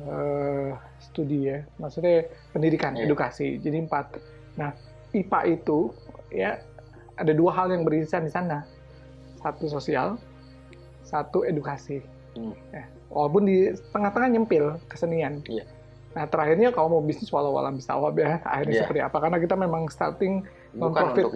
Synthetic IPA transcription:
ə | sə̥t̪udijamaksut̪ɲapəndidikanedukasid͡ʒadimpat̪̚ | nah | ipa̰ʔit̪uja | adaduaɦaljaŋbəɾiisandisana | sat̪us̬osia̰l | sat̪uedukasi | ja | wa̰lawp̬ʊndit̪əŋaht̪əŋahɲəmpɪlkə̥sənian | naht̪əɾaɦɪrɲakalamabisnɪswalawa̰la̰mbist̪a̰wapjaa̰hirɲasəpərt̪ia̰pakarnakit̪amemaŋst̪a̰rt̪ɪŋ | nɔmpɾofɪt̪

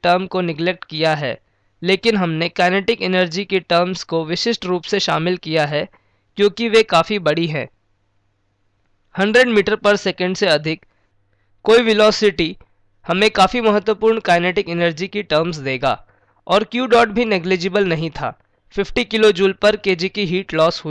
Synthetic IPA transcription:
ʈəɾmkonɪɡlek̚ʈkijaɦɛ̰ː | leːkɪnɦɐmnekaːneːʈɪkɪnəɾd͡ʒikeʈəɾmskoʋɪʃɪʃʈɾuːpseʃaːmɪlkijaɦɛ | kjõːkiʋekaːfibɐɽiɦɛ̰̃ː | hɐ̃ɳɖɾeɖmiːʈəɾpɐɾsɛːkə̃ɳɖseɐd̪ʱɪkː | oːiʋɪlɔːsɪʈi | hɐmẽkaːfimɐɦət̪ːwəpuːɾɳkaːneːʈɪkɪnəɾd͡ʒikiʈəɾmsd̪eːɡa̰ː | ɔːɾkjuːɖɔːʈbʱineɡliːd͡ʒɪbəlnɐɦĩt̪ʰa̰ː | fɪfʈikɪlod͡ʒuːlpɐɾkeːd͡ʒikiɦiːʈlɔːsɦʊiː

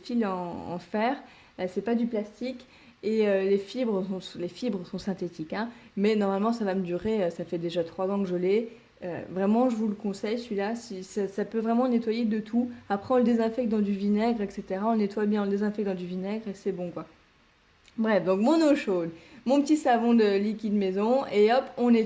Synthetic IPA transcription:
filɑ̃ɑ̰̃fɛʁ | sɛpad̪yplast̪ik | eølefibʁəsɔ̃slefibʁəsɔ̃sɛ̃t̪et̪ikɛ̃mɛnɔʁmalmɑ̃savaməd̪yʁeøsafɛd̪eʒat̪χwazɑ̃kəʒəlɛ | ø̰vʁɛmɑ̃ʒəvuləkɔ̃sɛjsɥilasisasapøvʁɛmɑ̃net̪wajed̪ət̪ʰuapχɛɔ̃ləd̪ezɛ̃fɛk̚t̪̚d̪ɑ̃d̪yvinɛɡʁɛkset̪eʁaɔ̃net̪wajbjɛ̃ɔ̃ləd̪ezɛ̃fɛk̪̚d̪ɑ̃d̪yvinɛɡʁesɛbɔ̃kwa | bʁɛfd̪ɔ̃kmɔ̃noʃod̪mɔ̃pət̪isavɔ̃d̪əlikʲid̪mezɔ̃eɔpɔ̃nɛ

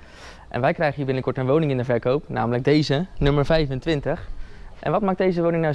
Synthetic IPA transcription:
ʔɛ̰nʋɛjkrɛjχəiːɹbɪnəkɔɹtənʋownɪŋɪndəvɛɹkowpnaːmələɡ̚dejzənɵməɹvɛjvəntʋɪntəχʔɛ̰nʋɑtmɑχdejzəʋownɪŋna

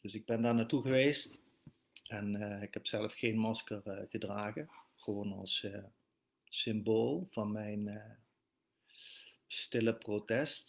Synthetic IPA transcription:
d̥ɵsɪɡ̚bɛndaːɹnaːtuɣəʋejst | ɛnɪkɦɛpsɛləfxejnmɑskərɣədraːɣəχəʋoːnɑ̰lˠs | ɪmboːlˠv̥ɑnmɛjn | stɪləprotɛst

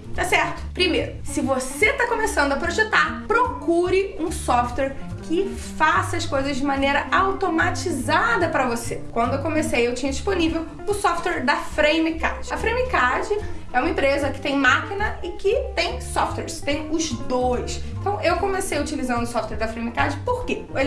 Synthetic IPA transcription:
t̪asɛɾt̪ʊ̥pɾimejɾʊsɪvoset̪akomesɐ̃nd̪ʊɐpɾoʒet̪aɾpɾokuɾɪũsɔft̪wɛɾ | kʰɪ | fasɐskojzɐzd͡ʒɪmɐ̃nejɾɐʔawt̪omat͡ʃizad̪ɐpɾɐvosekwɐ̃nd̪ʊewkomesejewt͡ʃĩɲɐd͡ʒiʃsponivew | ʊsɔft̪wɛɾd̪ɐfɾẽjmika̰d͡ʒɪɐfɾẽj̃mikad͡ʒɪɛũmɐẽpɾezɐkɪ̥t̪ẽj̃makinɐɪkɪt̪ẽj̃sɔft̪wɛɾst̪ẽj̃ʊzd̪ojsẽt̪ɐ̃w̃ewkõmesejɐut͡ʃilizɐ̃nd̪ʊsɔft̪wɛɾd̪ɐfɾẽj̃mikad͡ʒɪpoɾke | o

